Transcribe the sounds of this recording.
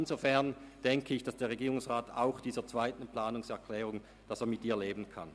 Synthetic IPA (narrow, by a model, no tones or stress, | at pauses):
nzofɛɐnd̥ɛŋkʰəɪçd̥asd̥eːɐʁeɡiːʁʊŋsʁaːtʰa̰ʊxd̥iːzɐt͡sv̥aɪtn̩plaːnʊŋsɛɐkʰl̥ɛːʁʊŋ | d̥aseːɐmɪt̚ːiːɐleːbn̩kʰa̰n